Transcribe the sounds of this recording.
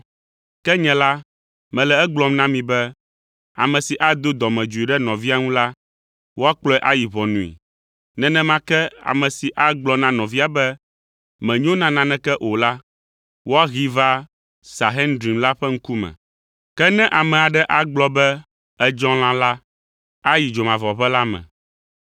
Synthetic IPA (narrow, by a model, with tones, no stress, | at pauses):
kɛ˦ɲɛ̃˨˦la˦ | mɛ̃˨lɛ˨ɛ˦ɡ͡blɔ̃˨mnã˦mĩ˨bɛ˦ | a̰˨mɛ̃˨si˨ʔa˦d̪o˦d̪ɔ˨mɛ̃˨d͡ʒu˨i˨ɖɛ˦nɔ̃˨vi˦a˦ŋũ˦la˦ | wo˦a˦k͡plɔ˦ɛ˦ʔa˦ji˨βɔ˨nũ˨ḭ˨ | nɛ̃˨nɛ̃˦mã˦kɛ˦a̰˨mɛ̃˨si˨ʔa˦ɡ͡blɔ˦nã˦nɔ̃˨vi˦a˨bɛ˦ | mɛ̃˨ɲ˦õ˦nã˨nã˨˦nɛ̃˦kɛ˦ʔo˨la˦ | wo˦a˦ɣi˦va˦ | sa˨ɦɛ˦ndɾi˨mla˦ɸɛ˦ŋ̩˦ku˦mɛ̰̃˨ | kɛ˦nɛ̃˦ʔa˨mɛ̃˨a˨ɖɛ˦ʔa˦ɡ͡blɔ˦bɛ˦ | ɛ˦d͡ʒɔ̃˦lã˦la˦ | a˦ji˨d͡ʒo˨mã˨vɔ˨ɸɛ˦la˦mɛ̰̃˨